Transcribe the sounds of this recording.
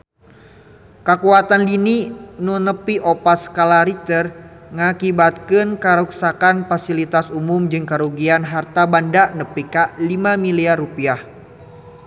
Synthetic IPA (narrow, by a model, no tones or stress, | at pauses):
kəkuat̪anlininunəpiʔopaskalaɾit̪ərŋakibat̪̚kɨnkaɾuksakanfasilit̪asumumd͡ʒɨŋkəɾuɡianɦart̪abandaʔnəpikalimamiliarupiah